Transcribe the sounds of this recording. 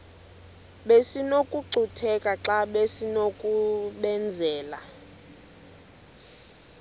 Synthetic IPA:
ɓesinokʼuǀutʰɛkʼaǁaɓesinokʼuɓɛnd͡zʱɛːla

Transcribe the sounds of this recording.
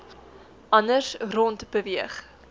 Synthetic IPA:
ʔɐnərsrɔntbəviəχ

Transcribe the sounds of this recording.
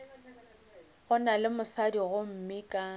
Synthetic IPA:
ɣʊnalɪmʊsadiɣʊm̩mikʼa

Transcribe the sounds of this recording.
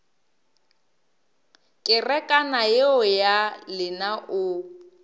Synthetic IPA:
kʼɪrɛkʼanajeɔjalɪnaʔʊ

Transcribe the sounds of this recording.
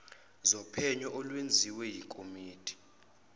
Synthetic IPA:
zɔpʰɛɲɔʔɔlwend͡zʱiwɛjikʼʰomiːtʰʼi̥

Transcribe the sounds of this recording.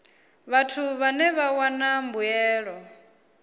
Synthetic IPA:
βatʰuβanɛβawanambujɛːɺɔ

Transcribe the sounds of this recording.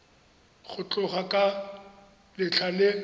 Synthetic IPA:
ɣʊt͡ɬʼʊχakʼa | lɪt͡ɬʰalɪ

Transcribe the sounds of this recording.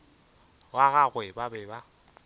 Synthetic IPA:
waɣaɣwɪbabɛba

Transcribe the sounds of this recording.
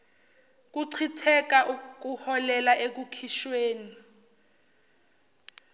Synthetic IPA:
k̬uǀʰitʰɛkaʔuk̬ʼuhɔlɛlaʔek̬ukʰiʃweːni

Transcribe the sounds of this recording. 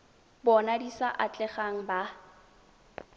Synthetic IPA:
bɔnadisaʔat͡ɬʼɛχaŋ̩ba

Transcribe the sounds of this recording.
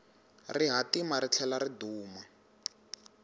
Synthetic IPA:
riɦatimaɾit͡ɬʰɛlariduːma

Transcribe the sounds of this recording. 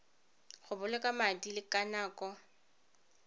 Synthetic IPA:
χʊbʊlɛkʼamadilɪkʼanaːkʼɔ

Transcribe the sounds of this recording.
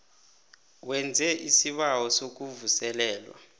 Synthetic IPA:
wɛnd͡zʱɛʔisiɓawɔsok̬uvusɛlɛːlwa̰

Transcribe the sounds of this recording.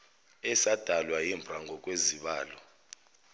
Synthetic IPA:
ɛsad̥ʱalwajimbʱraŋɡʱɔk̬ʼweziɓaːlɔ

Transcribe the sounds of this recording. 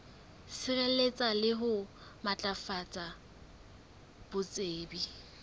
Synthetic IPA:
sɪrelet͡sʼalɪɦʊmat͡ɬʼafat͡sʼa | b̥ʊt͡sʼeːbi

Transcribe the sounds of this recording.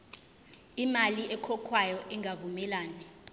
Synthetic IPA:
imaliʔɛkʰɔkʰwajɔʔiŋɡavumɛlaːnɛ

